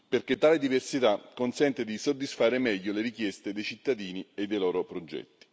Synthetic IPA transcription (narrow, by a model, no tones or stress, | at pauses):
perk̟et̪ːaːled̪iversit̪akːonsɛnt̪ed̪isod̪ːisfaːɾemɛʎːoleɾikjɛst̪ed̪ejt͡ʃit̪ːad̪iːnied̪ːejlɔːɾopɾod͡ʒɛ̰tt̪ːi̥